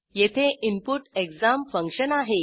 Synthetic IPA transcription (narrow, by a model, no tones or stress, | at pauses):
jet̪ʰeʔimpuʈekd͡zamfə̃ŋkɕənaɦe